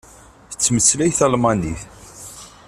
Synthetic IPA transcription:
θət͡sːməslæjθælmɑniθ

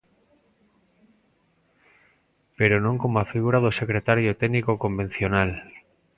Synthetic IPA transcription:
peɾonõŋkomoafiɣ̞uɾaðosekɾet̪aɾjot̪ɛnikokombẽn̟θjonal

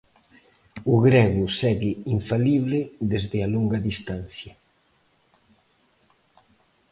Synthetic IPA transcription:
ʊɣɾɛɣʊsɛɣɪiɱfaliβlɪðezðɪaloŋɡɐðist̪an̟θjɐ

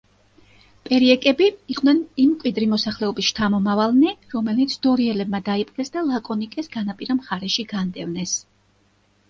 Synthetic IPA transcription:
pʼɛɾiɛkʼɛbiiqʼwnɛnimːkʼwid̪ɾimɔsaχlɛɔbisʃt̪ʰamɔmavalˠnɛɾɔmɛlit̪sʰd̪̥ɔɾiɛlɛbmad̪aipʼqʼɛsd̪alˠakʼɔnikʼɛsɡanapʼiɾamχaɾɛʃiɡand̪ɛvnɛs

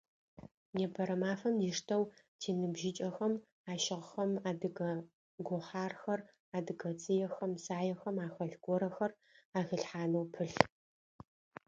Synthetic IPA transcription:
neːbʰɐɾɐmaːfɐmjiʂtʰɐwtʰiːnɨbʒɪt͡ʃʼɐxɐm | aːʃɪʁxɐmaːdɨɡɐ | ɡʷɔħaːrxɐr | aːdɨɡɐt͡sʼɨjɛxɐmsaːjɛxɐmaːxɐɬɡʷɔɾɐxɐr | aːɣɨɬħaːnɐwpʰɨɬ

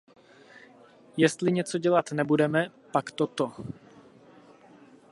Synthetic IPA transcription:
jɛst̪lɪɲɛt͡soɟɛlat̪nɛbudɛmɛpakt̪ot̪o

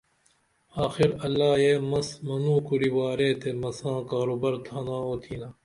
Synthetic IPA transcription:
aːxɪɾɐlːaːjeːmɐsmɐnũːkuɾiwaːɾeːt̪ʰemɐsãːkaːɾoːbɐɾt̪ʰaːnãːoːt̪ʰiːnaː

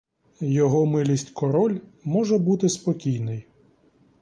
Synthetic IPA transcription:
jɔɦɔmɪlʲisʲtʲkɔɾɔlʲmɔʒɛbut̪ɪspɔkʲijnɪj

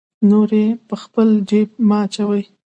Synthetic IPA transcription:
noɾepəxpəlɖeb̚mɑːt͡ʃawəj

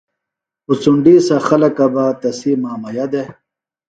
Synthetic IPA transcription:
usuɳɖisɐxɐlɐkɐbat̪ɐsimaːmɐjɐd̪e

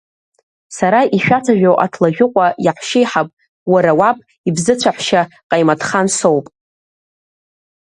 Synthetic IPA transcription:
saɾaʔiʃᶣat͡sʰaʒᶣowʔa̰tʰlaʒᶣʊqʷʼajaħʃejħapʼ | waɾawapʼ | ibzɨt͡ɕʷʰaħʷʃaqʼajmatʰχansowpʼ

